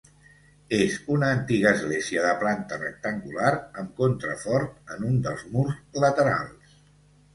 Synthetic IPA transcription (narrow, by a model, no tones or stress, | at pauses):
ezunəːnt̪iɣəːzɣleziəðəplant̪ərə̰k̚t̪əŋɡulaɾəmkont̪ɾə̰fɔɾt̪̚ənund̪əlˠzmurzlət̪əɾa̰lˠs